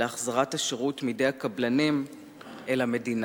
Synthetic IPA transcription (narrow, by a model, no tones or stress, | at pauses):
eaχzaʁataʃeʁutmide̞jakablanim | elame̞din